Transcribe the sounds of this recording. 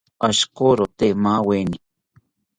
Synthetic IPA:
aʃkoɾot̪emaweni

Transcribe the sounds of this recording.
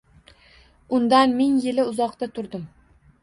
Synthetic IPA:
ʊnd̪anmɪŋjɪlɪʊzɒqt̪at̪ʰʊɾd̪ɪm

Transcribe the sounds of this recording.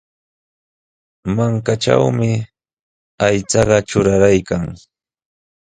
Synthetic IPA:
maŋkaʈ͡ʂa̰wmɪ | ajt͡sɑɢɑʈ͡ʂʊɾaɾajkaŋ

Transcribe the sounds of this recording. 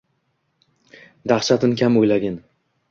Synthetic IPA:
d̪aχʃat̪ʰɪnkʲʰamojlaɡʲɪn

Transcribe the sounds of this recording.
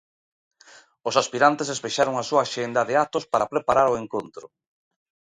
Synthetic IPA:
osaspiɾant̪esespeʃaɾoŋasuaːʃend̪ɐðeat̪ospaɾapɾepaɾaɾoeŋkont̪ɾʊ̰

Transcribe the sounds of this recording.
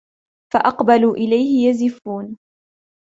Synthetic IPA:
faʔɑqbaluːʔɪlajhɪjazɪfuːn

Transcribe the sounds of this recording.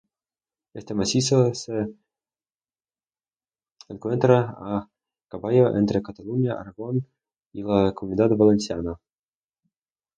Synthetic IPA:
est̪emasʲisose | eŋkwent̪ɾaa | kavajoʔent̪ɾekat̪alunʲjaʔa̰ɾaɣon | ilakomunʲid̪at̪valenʲsʲiana

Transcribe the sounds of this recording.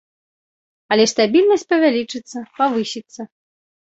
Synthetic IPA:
ɐlʲɛst̪abʲilʲnɐsʲt̚ʲpɐvʲalʲit͡ʂɨt̪sːɐpavɨsʲit̪sːɐ

